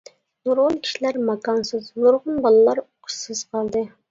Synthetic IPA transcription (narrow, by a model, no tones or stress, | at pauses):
zoɾʁʊnˠkʲʰi̥ʃilæɾmɑkɑnsɨzboɾʁʊnbɑlˠɨlˠɑɾoq̪ʰːɨz̥qʰɑlˠd̪ɨ